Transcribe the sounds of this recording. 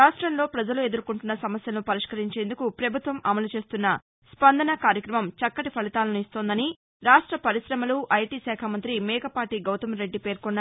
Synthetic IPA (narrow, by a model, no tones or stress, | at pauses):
aːʂʈɾɐmlo̞ːpɾɐd͡ʒɐlue̞d̪uɾkuɳʈunːɐsɐmɐsjɐlɐnupɐɾiʂkɐɾiɲt͡ʃe̞ːnd̪ukupɾɐbʱut̪ʋɐmʔɐmɐlut͡ʃeːst̪unːɐ | spɐnd̪ɐnɐkaːɾjɐkɾɐmɐmt͡ʃɐkːɐʈipʰɐlit̪aːlɐnuist̪o̞ːnd̪ɐni | ɾaːʂʈɾɐpɐɾisɾɐmɐluʔɐjʈiːsɛːkʰamɐnt̪ɾimɛːkɐpaːʈiɡɐwt̪ɐmɾe̞ɖːipeːɾkonːɐ